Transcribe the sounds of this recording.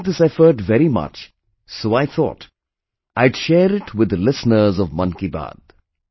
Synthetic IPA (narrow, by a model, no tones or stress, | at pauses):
d̪ɪsɛfəʈvɛɾimʌ̰t͡ʃ | soːaɪt̪ʰɔ̰ːʈ | ʔaɪɖʃɛːɾɪʈʰwɪd̪əlɪsnəɾzɔvmʌ̃nkiba̰d̪̥̚